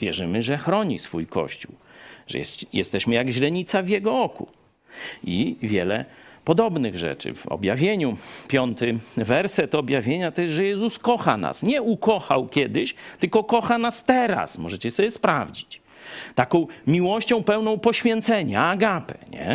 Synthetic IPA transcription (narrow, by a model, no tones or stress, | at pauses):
vʲjɛ̰ʐɘmɘʐɛxɾɔɲḭsfujkɔ̰ɕt͡ɕuwʐɛ̰jɛjɛ̰st̪ɛɕmɘjaɡʑlɛɲit̪savʲjɛɡɔɔkṵ | ivʲjɛlɛ̰pɔd̪ɔbnɘɣʐɛ̰t͡ʂɘ̰vɔ̰bʲjavʲjeɲupʲjɔnt̪ɘvɛɾsɛt̪ɔbʲjavʲjeɲat̪ɔjɛsʐɛjɛzuskɔxa̰na̰sɲɛukɔxa̰wkʲɛd̪ɪɕt̪ɘlkɔkɔxanast̪ɛɾa̰smɔ̰ʐɛt͡ɕɛsɔbʲjɛspɾavd͡ʑi̥t͡ɕ | t̪akɔ̃w̃mʲiwɔɕt͡ɕɔ̃w̃pɛwnɔ̃w̃pɔɕfʲjɛnt̪sɛɲaːɡapɛɲɛ̰